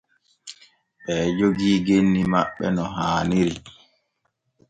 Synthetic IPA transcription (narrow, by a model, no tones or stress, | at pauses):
ɓɛːd͡ʒoɡiːɡenːimaɓːɛ̰nɔɦaːnil